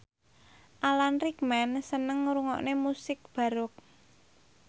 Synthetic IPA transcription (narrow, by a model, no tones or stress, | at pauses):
ʔalanrik̚mɛnsənəŋɾuŋɔ̰ʔnemusɪk̚b̥a̤ɾʊk̚